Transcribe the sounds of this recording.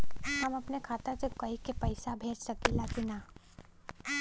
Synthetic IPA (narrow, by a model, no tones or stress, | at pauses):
hɐmɐpnekʰaːt̪asekɐikepɐɪsabʱeːd͡ʒsɐkilaːkinaː